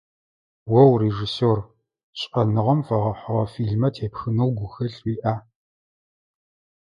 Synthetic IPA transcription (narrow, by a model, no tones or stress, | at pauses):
wɐwreʒisoːr | ɕʼɐnɨʁɐmfɐʁɐħʷʊʁɐfiːɮmɐtʰeːpxɨnɨwɡʷʊxɐɬwiːʔaː